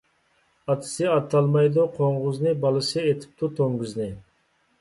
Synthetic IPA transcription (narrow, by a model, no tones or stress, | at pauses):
ɑt̪ʰɨ̥sɨɑt̪ʰːɑlˠmɑjd̪uqʰoɴʁʊznɨbɑlˠɨsɨet̪ʰɪ̥p̚t̪ut̪ʰoŋɡyznɪ